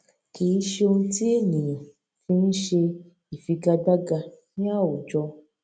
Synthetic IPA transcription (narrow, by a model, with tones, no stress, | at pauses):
ki˨i˦ʃe˧o˧nũ˦ti˦e˦˨nĩ˨jã˨ | fĩ˧ñ̩˦ʃe˧ | i˨fi˧ɡa˧da˦ɡa˧nĩ˦a˦˨wo˨d͡ʒɔ˧